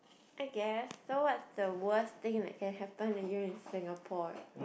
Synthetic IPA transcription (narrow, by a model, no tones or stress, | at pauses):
ʔaɪɡɛsːowɔtsdəwəst̪ɪ̃ŋðɛ̰t̚kɛ̃nɦɛpə̃njuɹɪ̃nsɪ̃ŋəpʰɔ